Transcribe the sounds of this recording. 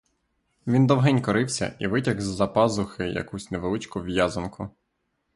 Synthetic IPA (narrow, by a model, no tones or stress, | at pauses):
ʋʲind̪ɔwɦɛnʲkɔɾɪwsʲɐ̰ʔiʋɪtʲɐɣzʲzɐpɑzʊxɪjɐ̰kusʲneʋelˠɪt͡ʃkʊʋjazɐnkʰʊ